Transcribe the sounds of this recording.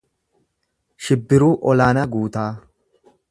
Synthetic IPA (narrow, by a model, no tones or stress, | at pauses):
ʃɪbːɪɾuːʔɔlaːnɐɡuːt̪aː